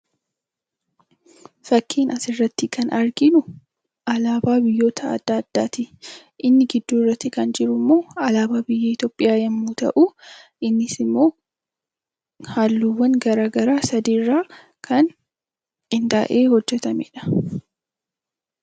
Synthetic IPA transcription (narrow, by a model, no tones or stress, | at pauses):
fɐkːiːnɐsɪrːɐt̪ːɪkʰɐnʔɐɾɡɪnʊ | ʔɐlaːbaːbɪjːo̞ːt̪ʰɐ̰ːd̪̥ːaːd̪̥ːaːt̪ɪ | ʔɪnːɪɡɪd̪ːuːɪrːɐt̪ːɪkɐnd͡ʒɪɾʊmːo̞ːɐlaːbaːbɪjːɐɪt̪joːpʼːɪjaːjɐmːuːt̪ɐ̰ʔuː | ɪnːɪsɪmːo̞ː | haːlːuːwːɐŋɡɐɾaːɡɐɾaːsɐd̪iːrːaː | kʰɐn | kɪnd̪a̰ːʔeːhɔd͡ʒːɛt̪ɐmḛᶑɐ̥